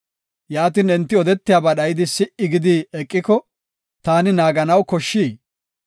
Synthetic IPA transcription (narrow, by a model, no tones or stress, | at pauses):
jaːt̪iːnɪnt̪ːɪɔd̪ɛt̪ːɪjaːbɐɗɐjɪd̪ɪsɪʔɪɡɪd̪iːɛkʼːɪkɔ | t̪aːnɪnaːɡɐnɐwkɔʃːiː